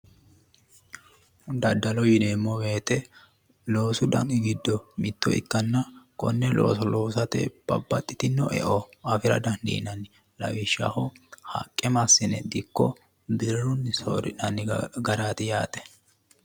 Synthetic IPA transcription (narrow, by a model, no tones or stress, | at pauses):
d̪ɐd̪ːɐlɔjɪneːmːɔweːt̪ʼɛ | lo̞ːsʊd̪ɐnɡɪd̪ːɔmɪt̪ːɔ̰ɪ̰kːɐnːɐkʼɔ̰nːɛlo̰ːsɔlo̞ːsɐt̪ɛ̰b̥ɐ̰bːɐt̪ʼːɪt̪ɪnːɔʔɛ̰ʔɔɐfɪɾɐ̰d̪ɐnd̪ḭːnɐn | lɐ̰wɪʃːɐ̰hɔhɐ̰kʼːɛmɐsːɪnɛd̪ɪkːɔ | bɪɾɾʊnːso̰ːɾɪnɐnɪɡɐɾaːt̪ɪjaːt̪ʼɛ̥